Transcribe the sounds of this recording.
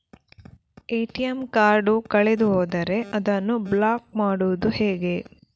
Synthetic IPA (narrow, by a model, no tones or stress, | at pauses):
eːʈiɐmkaːɾɖukɐɭed̪uɦoːd̪ɐɾe̞ʔɐd̪ɐnːublaːk̚maːɽuʋud̪uheːɡe̞